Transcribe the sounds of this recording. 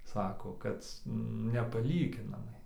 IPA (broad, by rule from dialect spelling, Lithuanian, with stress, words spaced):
ˈsɑːkoː ˈkɐt nʲɛpɐˈlʲiːɡʲɪnɐmɐɪ